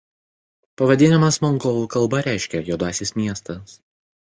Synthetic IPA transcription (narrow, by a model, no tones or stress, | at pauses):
pɐʋɐd̪ʲɪnʲɪmɐsmɔŋɡɔːlˠukɐlˠbɐɾʲæˑɪʃʲkʲɛjoːd̪ɑːsʲɪsmʲiɛst̪ɐs